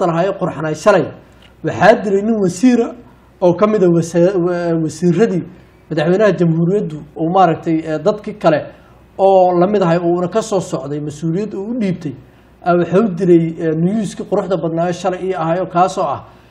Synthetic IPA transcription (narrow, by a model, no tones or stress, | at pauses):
t̪ɐlɐɦaːjɛːqʊɾħnaːjʃɐlɛj | wɑħɑːd̪ɪlɛjnɪnwɑsiːɾɐ | ɔːkʰɐmɪðɐ | wɐsiːrɐðiː | mɐðɑħwɛjnɐɦɐt͡ʃɐmhuːɾɪjɐd̪ʊɔmaːɾɐk̚t̪ʰɛjːd̪ɐd̪kʰikʰɐlɛ | ɔːlɐmɪðɐɦɛjɔːunɐkʰɐsɔːsɔʕd̪ɛjmɐsuːlɪjɐd̪uʊɗiːb̚t̪ʰɛj | ʔɐwɑħaːʊd̪ɪɾɛjnʊjuːskʰiqʊɾʊħd̪ɐbɐd̪naːɔːʃɐlɛjiɐhaːjɔːkʰaːsɔːɐ̰h